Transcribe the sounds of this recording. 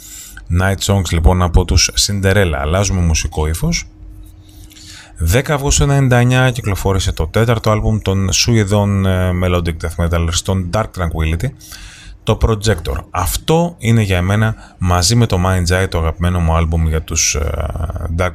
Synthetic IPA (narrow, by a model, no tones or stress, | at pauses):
nɐjt̪so̞ŋɡzlipo̞nɐpo̞t̪usːind̪e̞ɾe̞lɐ̰ːlɐzume̞musiko̞ifo̞s | ðe̞kɐːvɣosenɐend̪ɐeɲɐciklo̞fo̞ɾise̞t̪o̞t̪e̞t̪ɐɾt̪o̞ɐlbumt̪o̞nsuiðo̞nme̞lo̞d̪ik̚t̪ɐθmet̪ɐleɾst̪o̞nd̪ɐɾk̚t̪ɾɐŋkwilit̪it̪o̞pɾo̞d͡ze̞kt̪o̞̰ɾɐft̪o̞ine̞ʝɐeme̞nɐmɐzime̞t̪o̞mɐjnzɐjt̪oɐɣɐpime̞nomuɐlbumʝɐt̪us | d̪ɐɾk